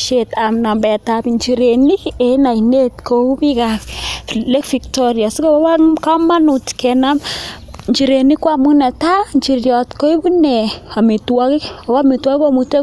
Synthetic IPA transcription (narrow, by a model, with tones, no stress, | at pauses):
ʃetamna˨mbɛ˨tapiɲt͡ʃiɾeni˦ena˨ine˦tkou˦pi˦ka | le˦kfiktoɾja˨si˦ko˦a˦wa˦ka˦ma˦nu˨tkɛna˦m | ɲt͡ʃi˨ɾe˨ni˦kwa˦mu˦nɛ˨ta˦ɲt͡ʃiɾjɔ˨tko˦i˦bu˦nɛa˨mi˨twa˦ki˦a˨wa˦mi˨twa˦ki˦ko˦mute˦